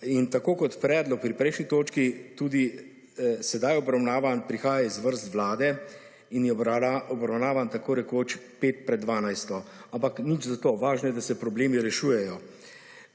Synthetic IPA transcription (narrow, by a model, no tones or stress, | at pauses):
int̪akoːkɔt̪pɾɛːd̪lɔk̚pɾipɾɛjʃnit̪oːt͡ʃkit̪uːd̪i | sɛd̪ajɔbɾawnaːʋanpɾixaːjaizʋəɾst̪ʋlaːd̪ɛ | injɛaɔbɾawnaːʋant̪akoːɾɛkoːt͡ʃpeːt̪̚pɾɛd̪dːʋaːnajst̪ɔampaknit͡ʃzat̪oːʋaːʒnɛd̪asɛpɾɔbleːmiɾɛʃuːjɛjɔ